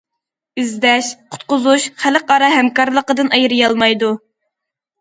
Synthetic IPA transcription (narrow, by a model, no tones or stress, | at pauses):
yzd̪ɛʃqʰʊ̥t̪̚qʊzuʃχæləqɑɾɑhɛmkɑɾlˠəqəd̪ɨnʔɑjɨɾɨjɑlˠmɑjd̪u